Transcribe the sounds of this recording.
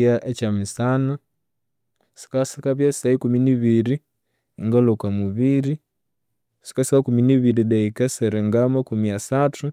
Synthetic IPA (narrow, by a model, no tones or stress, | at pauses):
aʔet͡ʃamisano | si̥kasikaβjasi̥saikuminiβiɾi | ŋɡalokamuβiɾi | si̥kaskakuminiβiɾiðeikaseɾeŋɡamakumiasatʰu